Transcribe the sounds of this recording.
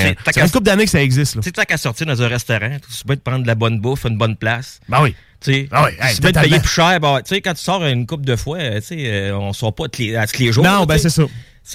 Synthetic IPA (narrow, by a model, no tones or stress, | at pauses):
et̪asnkʊp̚d̪anekə̥saɛɡzɪst̪lt͡set̪t̪ãkasɔʁtt͡siːʁd̪ɑ̃zɛ̃ʁɛst̪ɔʁɑ̃t͡s̪pɛd̪əpʁɑ̃nd̪labɔnbʊfɨnbɔnplasbɛwi | t͡sebɛwiɛy̥pɛd̪pɛjɪpy̥ʃɛːʁbɛ̃wɛt͡sekɑ̃t̪y̥sɑːʁːnkʊp̚d̪əfwat͡seəɔ̃sɑːʁpɔt̪ut̪leat̪u̥t̪leʒuːnɔ̃bɛsɛsɔ | s